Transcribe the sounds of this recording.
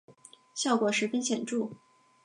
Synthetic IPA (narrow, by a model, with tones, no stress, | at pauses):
ɕjɑ˥˩ʊkwɔ˨˩ʂɻ̩˧˥fi˥nɕjɛ˨˩nʈ͡ʂu˥˩